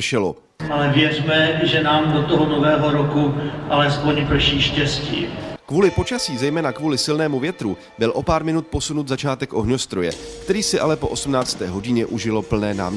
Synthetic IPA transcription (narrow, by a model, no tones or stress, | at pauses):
ʃɛlo̰ | ʔalɛvjɛrmɛʒɛnaːmdot̪oɦonovɛːɦoɾokuʔalɛspoɲpr̩ʃiːʃcɛscḭːkvuːlɪpo̞t͡ʃasiːzɛjmɛːnakvuːlɪsɪlnɛːmuvjɛt̪ɾu | bɪlʔo̞paːɾmɪnut̪̚po̞sunut̪zat͡ʃaːt̪ɛkʔo̞ɦɲo̞st̪ɾo̞jɛ̰kt̪ɛɾiːsɪʔalɛpo̞ʔo̞sumnaːt͡st̪ɛːɦo̞ɟɪɲɛʔuʒɪlo̞pl̩nɛːna̰ːm